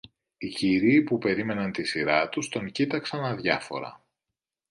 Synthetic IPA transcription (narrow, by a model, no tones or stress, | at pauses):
iciɾiːpupe̞ɾime̞nɐnt̪isiɾɐt̪ust̪o̞ŋcit̪ɐksɐnɐðʝɐfo̞̰ɾɐ̰